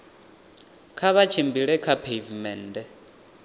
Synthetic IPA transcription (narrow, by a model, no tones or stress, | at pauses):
kʰaβat͡ʃʰimbiɺɛkʰapʰevmɛːndɛ